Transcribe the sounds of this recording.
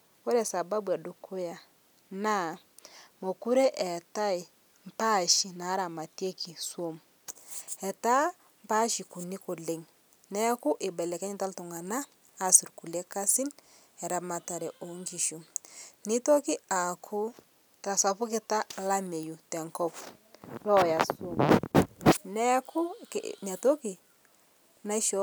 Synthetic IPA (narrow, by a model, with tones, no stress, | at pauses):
wɔ˦ɾɛ˨sa˨ba˦bwa˨du˨kʰʊ˦ja˨ | na˦˨ | mo˨ku˦ɾe˦ʔɛ˨ta˦ɪ˨ | m̩˨pa˦˨ʃi˨na˨˦ɾa˨ma˨tje˦kʰi˨swo˦m | ɛ˨ta˦ | mpa˦ʃi˨ku˨ni˦ko˨le˨ŋ | nɛ˦kʊ˦ʔɪ˨bɛ˨lɛ˨kɛ˦ɲɪ˦ta˦ltʊ˨ŋa˨naː˦˨ | si˨ɾku˨lɛ˦ka˦sɪ˦n | ɛ˨ɾa˨ma˨ta˨ɾɛ˨ʔo˨˦ŋki˨ʃu˨nɪ˦to˦ki˦a˨kʰu˦ | ta˨sa˨pʊ˦kɪ˦ta˦la˦me˨ju˨tɛ˨ŋkɔ˦p | lɔ˦˨ja˨so˦m | nɛ˦kʰʊ˦kna˨to˦ki˨ | na˦ʃɔ˦